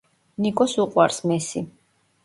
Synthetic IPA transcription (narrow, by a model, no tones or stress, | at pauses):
nikʼɔsuqʼwa̰ɾsmɛsi